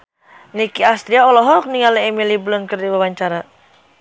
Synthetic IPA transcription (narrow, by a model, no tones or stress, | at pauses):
nikiast̪ɾiaɔlɔɦɔk̚niŋaliːmiliblɔnkərdiwawaɲt͡ʃaɾa